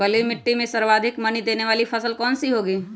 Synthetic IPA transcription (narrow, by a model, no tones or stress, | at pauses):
ɐlimɪʈːimẽsɐɾʋaːd̪ʱɪkmɐnid̪eːneʋaːlipʰɐsəlkɔːnsiɦoːɡiː